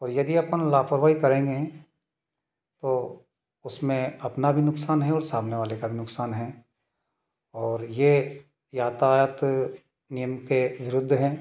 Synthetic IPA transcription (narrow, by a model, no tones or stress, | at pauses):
ɔːɾjɐd̪iɐpənlaːpʰəɾʋaːikɐɾẽːŋɡeɛ̃ | t̪o | ʊsmẽɐpnabʱinʊksaːnɦɛɔːɾsaːbʱneʋaːlekabʱinʊksaːnɦɛ | ɔːɾje | jaːt̪aːjət̪ | nijəmkeʋɪɾʊd̪ʱːɦɛː